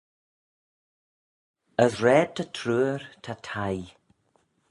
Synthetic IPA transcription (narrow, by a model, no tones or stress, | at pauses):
əðɹɛːd̚tʰatʰɾuːɹtʰatʰaj